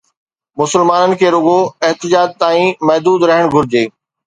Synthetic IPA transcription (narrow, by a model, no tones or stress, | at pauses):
mʊsɪlmaːnənɪ̆kʰeːɾʊɡoɐɦt̪ɪd͡ʑaːd͡ʑ̚t̪aːĩmɐɦd̪uːd̪ɾɐɦəɽ̃ɡʱʊɾɪd͡ʑeː